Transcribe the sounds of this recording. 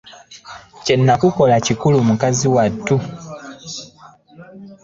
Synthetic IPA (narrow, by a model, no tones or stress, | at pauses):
cenːakuko̞lacikulumukaziwatːu